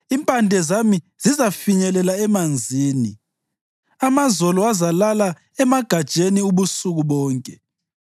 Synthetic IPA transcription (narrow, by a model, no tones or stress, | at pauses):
impʼandʱɛzami | z̥izafiɲɛlɛlaɛmand͡zʱiːnḭ | amazɔlɔazalala | ɛmaɡ̥ʱad̥ʒ̥ʱeniuβusuɣuβɔːŋkʼɛ